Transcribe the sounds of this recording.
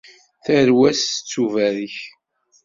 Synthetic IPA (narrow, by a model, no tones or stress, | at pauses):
θæɾwæsə̥t͡sːuvæɾiç